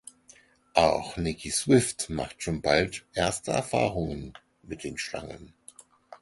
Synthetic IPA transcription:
ʔaʊxnɪkʰiswɪftma̰χtʃoːnbaltʔeɐstəɛ̰ɐfa̰ːʁʊŋən | mɪt̚d̥eːnʃla̰ŋə̰n

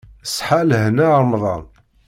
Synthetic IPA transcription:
əsħalɦnæɾˤmðˤɑ̰n

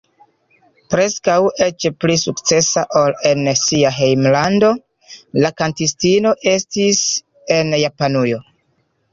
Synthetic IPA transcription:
pɾe̞skawe̞t͡ʃplisukt͡se̞saʔole̞nsiaɦejmlando̞ | lakantistino̞ʔe̞stis | e̞njapanujo̞

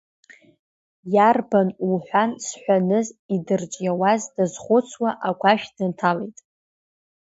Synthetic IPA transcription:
jarbanuħʷansħʷᶣanɨzidɨrd͡ʒʼjawazdazχʷʊt͡sʰwaʔaɡʷaʃᶣdɨntʰalejtʼ

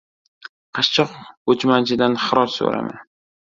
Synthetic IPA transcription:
qʰɑʃt͡ʃʰɒqot͡ʃmant͡ʃʰɪd̪anχɨɾɒɾso̰ɾa̰ma̰n

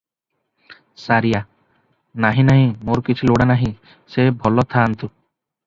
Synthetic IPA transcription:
saɾija | naɦĩnaɦĩmoɾkit͡ʃʰiloɽanaɦĩ | sebʱɔlɔt̪ʰant̪u

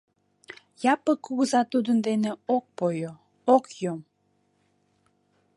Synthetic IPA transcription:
jɑpəkːuɣəzɑt̪ud̪ənd̪eneok̚pojo | okjom

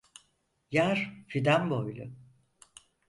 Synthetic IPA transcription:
jaɾ̥fid̪ambojlʲˠʊ̰

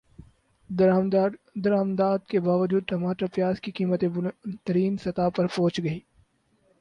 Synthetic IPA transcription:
md̪ɐɾaːmd̪aːd̪kebaːʋəd͡ʒuːd̪̚t̪ɐmaːʈapjaːzkikiːmət̪et̪əɾiːnsɐt̪aːpɐɾpɔ̃ːt͡ʃɡɐiː

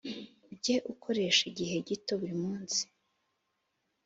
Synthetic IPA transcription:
bɟeʔukʰo̞ɾe̞ʃiɟiɦe̞ɟito̞βuɾimuːnsi̥

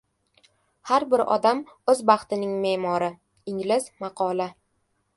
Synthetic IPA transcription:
haɾbɪɾɒ̰d̪am | ɵzbɑχt̪ɪnɪŋme̞mɒɾɪ | ɪŋlɪzmɑqʰɒlˠa

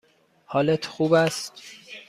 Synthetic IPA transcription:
hɒːlet̪ʰxuːbæst̪

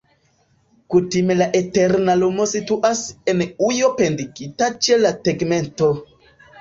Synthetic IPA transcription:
kutime̞laʔete̞ɾnalumo̞situʔase̞nujo̞pendiɡitat͡ʃe̞lateɡme̞nto̞

